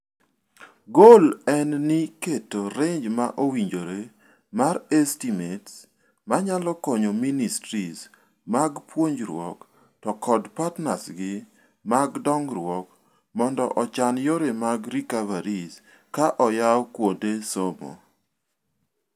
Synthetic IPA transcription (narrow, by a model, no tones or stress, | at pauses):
ɡolɛnniketoɾeɲd͡ʒmaʔowiɲd͡ʒoɾe | maɾɛstimets | maɲalɔkɔɲoministɾis | maɡpwoɲd͡ʒɾwɔ̰k | tɔkʰɔdpatnasɡɪ | maɡdɔŋɾwɔk | mɔndɔ̰ʔɔt͡ʃanjoɾemaɡɾikavaɾis | kaʔɔjawkwodesomo̰